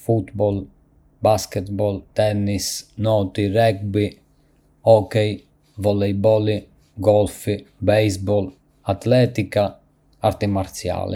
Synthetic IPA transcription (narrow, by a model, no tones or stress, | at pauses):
fut̪bɔl | baskɛt̪bɔlt̪ɛnːisnɔt̪irɛk̚bi | ɔkɛj | vɔlejbɔli | ɡɔlfibɛjzbɔl | at̪lɛt̪ika | aɾt̪imaɾt̪sja̰lḭ